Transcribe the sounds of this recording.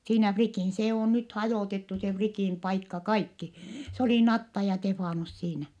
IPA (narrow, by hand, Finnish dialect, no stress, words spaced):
siːnæ frikiˑn se oˑ nyt hɑjoˑtetːu se frikiˑn pɑikːɑ kɑikːi se oliˑ nɑtːɑ jɑ tefɑˑnus siːnæ